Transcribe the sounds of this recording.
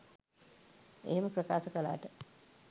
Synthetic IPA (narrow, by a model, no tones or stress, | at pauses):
ḛɦeməprəkaːsəkəla̰ːʈə